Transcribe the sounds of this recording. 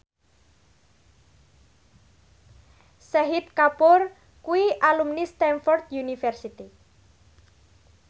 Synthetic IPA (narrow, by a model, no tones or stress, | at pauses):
sɛɦit̪̚kapʊr | kuiʔalumnist̪ɛnfɔrt̪̚junifɛrsit̪i